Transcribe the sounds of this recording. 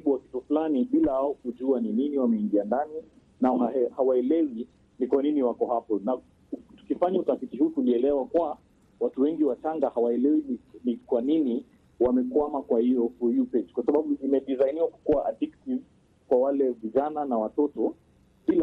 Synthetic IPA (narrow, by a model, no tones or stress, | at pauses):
iɓuwaki̥tuflaniɓilahaɔkuʄuanininiwamɛiŋɡiandani | naaɛhawaɛlɛwi | nikwaniniwakɔhapɔna | tu̥kifaɲautafitihuːtuliɛlɛwakua | watuwɛŋɡiwataŋɡahawaɛlɛwininikwanini | wamɛkwamakwahijɔfɔjupɛd͡ʒkwasaɓaɓuʔimɛɗizainiwaku̥kuaʔaɗiktiv | kwawalɛviʄananawatɔtɔ | ɓil